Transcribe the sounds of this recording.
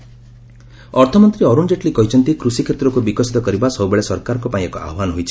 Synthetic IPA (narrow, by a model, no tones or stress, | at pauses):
ɔɾt̪ʰɔmɔnt̪ɾiɔɾund͡ʒeʈlikɔɦit͡ʃʰɔnt̪ikɾusikʰet̪ɾɔkubikɔsi̥t̪ɔkɔɾibasɔwbeɭesɔɾkaɾɔŋkɔpaĩekɔʔa̰ɦɔbanɔɦojt͡ʃʰi̥